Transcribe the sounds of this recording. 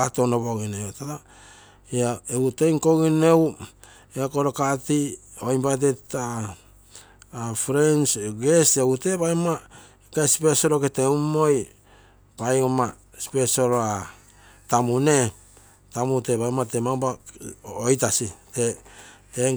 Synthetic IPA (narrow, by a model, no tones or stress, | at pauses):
ato̞noβoɡineotata | eaeute̞jŋko̞ɡine̞w | eakoɾokati | oimbajt̬eta | fɾensɡe̞steute̞bajma | kasi̥pe̞soɾoketeumoj | pajoma | spe̞soɾoa | tamune̞ | tamute̞bajmatemabaojtasitete